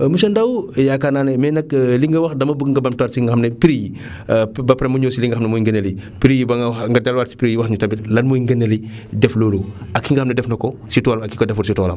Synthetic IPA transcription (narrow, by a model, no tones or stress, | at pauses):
muʃɐndɐwjakanaːnɛmɛnɐkliŋɡɐwɐxdɐmɐbəkŋɡɐbɐmtwaːtsiŋɡɐxɐmnɐpiɾiji | bɐpɾɐmuɲoːsiliŋɡɐxɐmnɐmɔːjŋɡɐnelipiɾijibɐŋŋɡɐdalwaːtsi̥piɾijiwɐxɲutɐmbitlɐnmoːjŋɡɐnːelidɛfloːluɐkːiŋɡɐxɐmnɛdɛfnɐkɔsitɔːlɐmɐkːikodɛfuɾsitɔːlɐ̰m